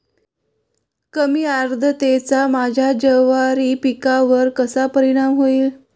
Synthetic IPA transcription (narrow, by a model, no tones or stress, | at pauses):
kəmiːaɾd̪ʱət̪et͡samad͡ʑʱjad͡ʑəʋaɾiːpikaʋəɾkəsapəɾiɽ̃amɦoiːl